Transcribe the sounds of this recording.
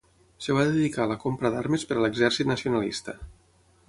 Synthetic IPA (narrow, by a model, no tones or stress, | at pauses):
səβ̞aðeðikaləkompɾəðaɾməspəɾələɡzɛrsit̪nəsiunalḭst̪ə